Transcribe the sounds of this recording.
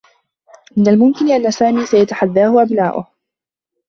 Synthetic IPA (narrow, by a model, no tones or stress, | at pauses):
mɪnalmʊmkɪnɪʔanːasaːmiːsajat̪aħaðːaːhʊʔabnaːʔʊ̰h